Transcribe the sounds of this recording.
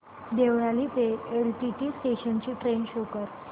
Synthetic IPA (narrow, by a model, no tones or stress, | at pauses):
d̪eʋɭaliːt̪eelʈiʈiːsʈeɕənt͡ɕiːʈɾenɕokəɾ